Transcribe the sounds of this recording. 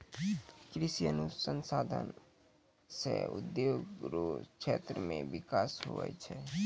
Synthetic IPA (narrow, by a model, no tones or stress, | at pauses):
kɾisijənusənsad̪ʱən | seʊd̪joɡɾokʃʰet̪ɾəmẽʋɪkaːsɦo̰ɛ̰t͡ʃʰɛ